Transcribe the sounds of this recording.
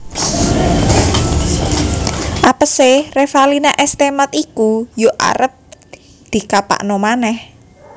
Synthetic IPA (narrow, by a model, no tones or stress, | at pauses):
ʔapəserefalinaʔɛst̪emat̪ikujoʔa̰ɾət̪̚ | d̪̥i̤kapa̰ʔnɔmanɛh